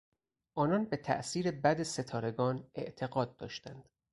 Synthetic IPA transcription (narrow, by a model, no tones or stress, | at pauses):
ʔɒːnɒːnbe̞t̪ʰæ̰ʔsiːɾe̞bæd̪ese̞t̪ʰɒːɾe̞ɡɒːne̞̰ʔt̪ʰe̞ɡɒːd̪̚ːɒ̰ːʃt̪ænd̪̥